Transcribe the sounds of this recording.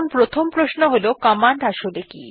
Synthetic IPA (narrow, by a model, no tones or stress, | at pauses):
npɾot̪ʰompɾosnoɦolokamand̪ʱaʃod̪ekḭ